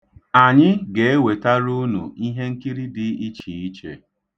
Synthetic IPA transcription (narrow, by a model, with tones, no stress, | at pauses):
a˨ɲɪ˦ɡe˨e˦we˨ta˦ɾu˦nṵ˨i˦ɦe˦ŋ̩˦ki˦ɾi˦dɪ˦i˦t͡ʃi˨i˦t͡ʃḛ˨